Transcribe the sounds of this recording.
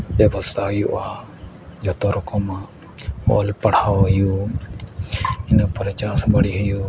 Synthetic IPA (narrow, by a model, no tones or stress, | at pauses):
bjɛbɔst̪ʰaɦəjuʔa | d͡ʒɔt̪ɔɾɔkɔma | ɔ̰lpaɽ̤hawɦəju | inapɾɛt͡ʃasɔbaɽiɦəju